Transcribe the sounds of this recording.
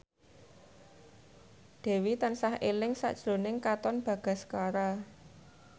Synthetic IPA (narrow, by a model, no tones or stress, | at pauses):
d̪̥e̤wit̪ansahelɪŋsa̰ʔd̥ʒ̥ɾo̤nɪŋkat̪ɔnb̥ä̤ɡ̥a̤skaɾa